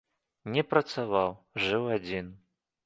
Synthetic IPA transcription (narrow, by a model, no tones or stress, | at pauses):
nʲɛpɾɐt̪savawʐɨwad͡zʲin